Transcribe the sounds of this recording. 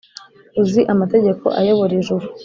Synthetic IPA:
uziʔamate̞ɟe̞ko̞̰ʔajo̞βoɾiʒuɾu

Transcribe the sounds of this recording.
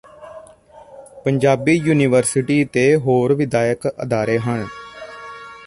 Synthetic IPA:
pəɲd͡ʒaːbiːjuːniːʋəɾsɪʈiːt̪eːɦoːɾʋɪd̪aːjəkə̰d̪aːɾeːɦən

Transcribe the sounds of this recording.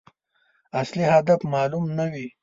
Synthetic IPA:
ɐslihad̪afmɑːlumnawi

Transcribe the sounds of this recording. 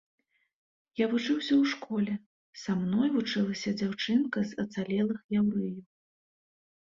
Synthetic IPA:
javut͡ʂɨwsʲɐwʂkɔlʲɛ | samnɔjvut͡ʂɨlˠɐsʲɐd͡zʲawt͡ʂɨnkɐzɐt̪salʲɛlˠɨxjawɾɨjuw

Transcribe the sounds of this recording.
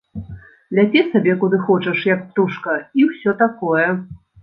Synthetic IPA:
lʲat͡sʲɛsabʲɛkud̪ɨxɔt͡ʂɐʂjɐk̚p̚t̪uʂkɐiwsʲɔt̪akɔjɛ

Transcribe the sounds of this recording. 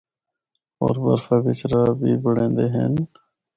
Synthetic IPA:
o̰ːɾbə̰ɾfabɪt͡ʃɾaːbʱiːbəɽẽːnd̪eːɦḛːn

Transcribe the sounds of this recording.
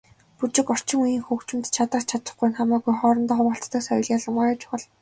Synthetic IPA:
put͡ɕɪ̆kɔr̥t͡ɕɪ̆ŋujiːŋxukt͡ɕɪ̆mt̪t͡ɕʰat̪ə̆χt͡ɕʰat̪ə̆χɡujnχamaːɣujχɔːɾɞ̆nt̪ɔːχʊwə̆ɬt͡st̪ə̆ksɔ̰jɞ̆ɮjaɮə̆mɢɔjaːt͡ɕʊ̥χə̆ɮ

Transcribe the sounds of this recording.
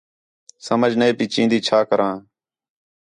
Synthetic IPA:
səməd͡ʒʱnəeːpiːt͡ʃĩːnd̪iːt͡ʃʰaːkəɾʔãː

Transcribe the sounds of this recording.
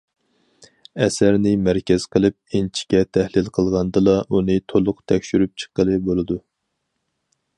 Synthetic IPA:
ɛsæɾnɪmæɾkʲɛz̥qʰəlˠɨp̚int͡ʃʰi̥kʲɛt̪ʰæhlɪlqʰəlˠʁɑnd̪ɨlˠɑʔunɨt̪ʰolˠʊqt̪ʰɛkʲʃyɾyp̚t͡ʃʰə̥qːəlˠɨbolˠɨd̪u

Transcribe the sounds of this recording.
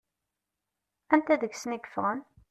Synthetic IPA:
ænt̪æðəɡsəniɡə̥fʁən

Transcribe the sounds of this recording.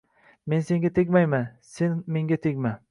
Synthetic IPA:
me̞nse̞ŋɡʲat̪ʰek̬ʲmajmanse̞nmeŋɡʲat̪ʰekʲma

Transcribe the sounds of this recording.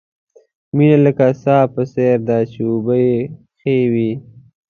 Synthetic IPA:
minaləkasaːpəseɾd̪at͡ʃeubəje | xewi

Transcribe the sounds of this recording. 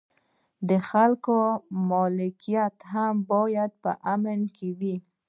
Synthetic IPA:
d̪əxalkomɔlɪkijat̪hambɑjad̪̚pə̰ʔamənkʰewi

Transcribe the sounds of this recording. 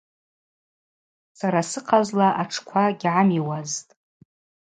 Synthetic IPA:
saɾasɨqʰazlaʔaʈ͡ʂʰkʷʰaɡʲʕamiwaztʼ

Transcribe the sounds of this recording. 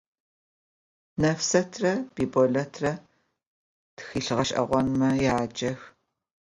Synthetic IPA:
nɐfsɐtʰrɐb̥iːbɔɮɐtʰrɐ | tɨ̥xiːɬɨʁɐʃʼʔɐ̰ʁʷɔnmɐjaːd͡ʒɐx

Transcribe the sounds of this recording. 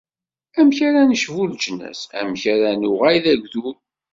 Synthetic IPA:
æmçaɾænəʃvuld͡ʒənæ̰sæ̰mçaɾænʊʁajðæɡʷðu

